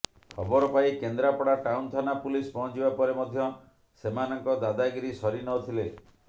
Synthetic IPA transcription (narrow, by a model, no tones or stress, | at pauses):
kʰɔbɔɾɔpaikend̪ɾapɔɽaʈawnt̪ʰanapulispɔɦɔ̃t͡ʃibapɔɾemɔd̪ʱjɔ | semanɔŋkɔd̪ad̪aɡɾisɔɾinɔt̪ʰile